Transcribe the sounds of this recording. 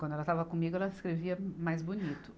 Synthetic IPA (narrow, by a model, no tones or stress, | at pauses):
kwɐ̃d̪ʊɛlɐt̪avɐkõmiɡʊɛlɐskɾeviɐmajzbunit̪ʊ̥